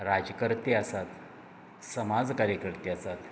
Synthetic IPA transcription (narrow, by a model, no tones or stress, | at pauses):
ɾad͡ʑəkəɾt̪easat̪ | səmad͡zkaɾjəkəɾt̪easat̪